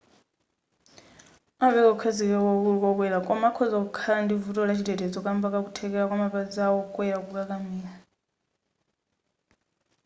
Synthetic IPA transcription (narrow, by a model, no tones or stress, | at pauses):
avɛkaukʰaziβɛkɔβulukɔk̬wɛlakʼɔmaːkʰɔzakukʰalandivutʼɔlat͡ʃʰitɛtɛd͡zɔkʼambakak̬utʰɛk̬ʼɛɾakwamapad͡zawɔkʼwɛɾakukʼakamiːɺa